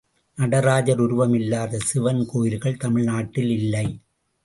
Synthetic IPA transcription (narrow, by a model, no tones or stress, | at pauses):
nɐɽɐɾaːd͡ʒɐɾʊɾʊʋɐmɪlːaːðɐsɪʋɐnkoːjɪɾɣɐɭt̪ɐmɪɭnaːʈːɪlɪlːɐɪ